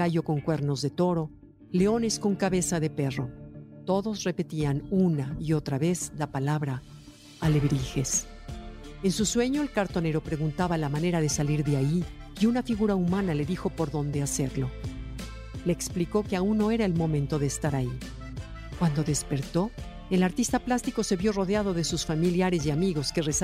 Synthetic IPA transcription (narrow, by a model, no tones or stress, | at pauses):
aʝo̞ko̞ŋkwe̞ɾno̞zðe̞t̪o̞ɾo̞ | le̞o̞ne̞sko̞ŋkaβe̞saðe̞pe̞ro̞t̪o̞ðo̞zre̞pe̞t̪ianunaio̞t̪ɾaβe̞zlapalaβɾaː | le̞βɾixe̞s | e̞nsuswe̞ɲo̞elkaɾt̪o̞ne̞ɾo̞pɾe̞ɣunt̪aβalamane̞ɾaðe̞saliɾðeaiː | unafiɣuɾaumãnale̞ðixo̞po̞ɾðo̞nd̪e̞ase̞ɾlo̞ | leːkspliko̞keaunːo̞e̞ɾaelmõ̞mẽnt̪o̞ðe̞ːst̪aɾai | kwand̪o̞ðe̞spe̞ɾt̪o̞ | elaɾt̪ist̪aplast̪iko̞se̞βjo̞ro̞ðeaðo̞ðe̞susfamiljaɾe̞s̬iamiɣo̞ske̞res